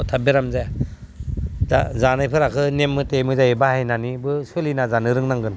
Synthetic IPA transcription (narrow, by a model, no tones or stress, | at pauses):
tʰabeɾamzaj | azanajpʰɯɾakʰɯnemːɯtemɯzajebahajnanibɯsɯlinazanɯɾɯŋnaŋɡɯn